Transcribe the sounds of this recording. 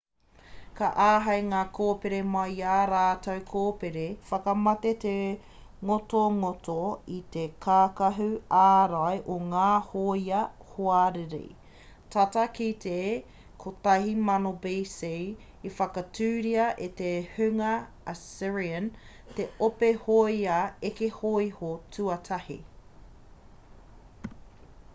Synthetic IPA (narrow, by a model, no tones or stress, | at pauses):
kɐʔaːɦɐjŋaːkʰoːpeɾemɐjaːɾaːtɐwkʰoːpeɾefɐkɐmɐt̪et̪e | ŋotoŋotoit̪ekʰaːkɐɦʉaːɾaeʔoŋaːhojɐhoaɾeɾḛ | t̪ʰɐtɐkit̪ʰe | kʰot̪ɐɦimɐnobeːsej | ifɐkɐtʉːɾiɐʔet̪ehʉŋɐː | sɪɹiən | t̪eopehojaekehoihotʰʉɐtʰɐhḭ